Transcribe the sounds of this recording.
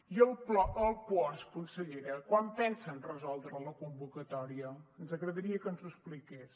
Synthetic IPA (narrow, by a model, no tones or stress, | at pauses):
jəlˠplɔəlˠpɔskunsəʎeɾəkwampɛnsənrəzɔlˠd̪ɾələkumbukət̪ɔɾiəːnzəɣɾəðəɾiəkənzuəsplikes